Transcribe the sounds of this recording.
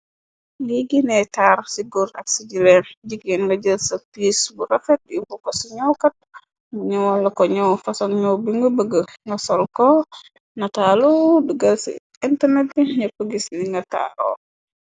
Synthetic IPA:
ŋiɡinɛtaːɾsiɡuɾɐ̰ksiɟilɛnɟikinŋɡɐɟəlsɐpiːsbuɾɐfɛt̚jibukɔsiɲɔwkɐt̚ | ŋuɲɐwɔlːɐkɔɲɔwfɐsɔŋɲɔwbiŋɡəbəɡəŋɡɐsɔlkɔ | nɐtaluduɡɐlsḭ | intɐrnɛt̚biɲɐpəɡisniŋɡɐta̰ːɾo̰ː

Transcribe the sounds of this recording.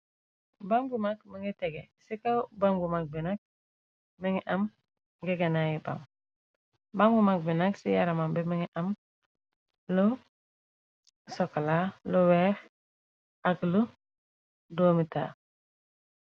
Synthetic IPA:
baŋɡumak̚miŋɡeteɡḛsikawbaŋɡumak̚binak̚ | miŋiʔam | ŋɡeɡanajiba̰ŋ | baŋɡumak̚binaksijaɾamambemiŋiʔam | lo | soklalowex | aklu | doːmita̰

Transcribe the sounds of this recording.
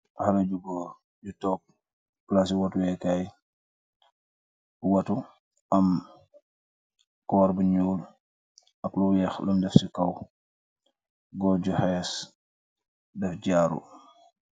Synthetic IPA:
halɐɟuɡɔ | ɟutɔːk̚ː | las̬iwɐtujɛkaːj | wɐtu | ɐm | kɔːɾbəɲuːl | ɐklujɛxlumdɛfsikɐw | ɡɔɟuhɛs | dɛfɟaːɾṵ

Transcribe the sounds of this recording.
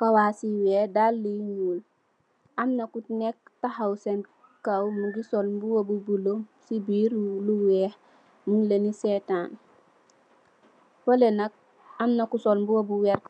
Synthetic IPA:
kawaːsiwɛdalːiɲuːl | ɐmnɐkunek̚tahawsen | kawmuɡisolmbuwobubulomsibiːɾluwɛh | muŋlenisetaːn | fɐlenɐk̚ | ɐmnɐkusolmbuwobuwɛɾ

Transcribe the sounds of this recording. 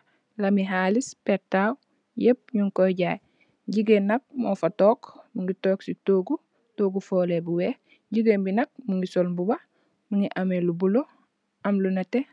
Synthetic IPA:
lamiɦalispeɾtaːw | jep̚ɲuŋkoɟaːj | ɟiɡenːɐk̚mofatoːkmuŋɡitoːksitoːɡu | toːɡufoːlebuwe | ɟiɡembinɐk̚muŋɡisolbuba | muŋɡiʔamelubulo | ɐmlunate

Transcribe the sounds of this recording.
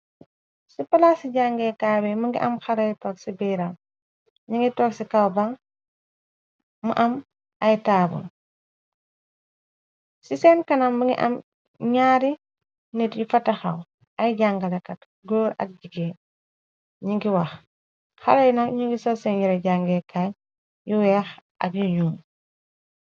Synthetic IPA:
sipɐlasiɟaŋɡɛkaːbɛmuŋɡḭʔɐmxɐɾɐjtɔːksibiːɾɐm | ɲiŋɡitɔːksikawbaŋ | mṵʔɐm | ɐjtaːbṵl | sisɛnkɐnamːəŋɡḭʔɐ̰m | ɲaːɾi | nitjufatːɐxa̰w | ajɟaŋɡalekɐt | ɡoːɾɐ̰k̚ɟiɡeː | ɲiŋɡiwax | xalajinaɲiŋɡisɔsenjiɾaɟaŋɡekʰaːɲ | juwɛːxʔa̰ɡiɲuːm

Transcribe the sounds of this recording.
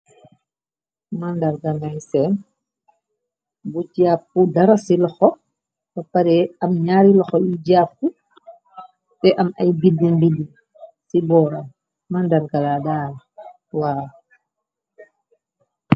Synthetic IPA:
mandaɾɡanajsɛn | but͡ʃiapːudaɾasilɔxɔ | fapaɾɛɐmɲaːɾilɔxɔjid͡ʒaːpːu | tɛʔama̰jbidːimbidːi | sibɔːɾam | mandaɾɡaladaːɾ | waː

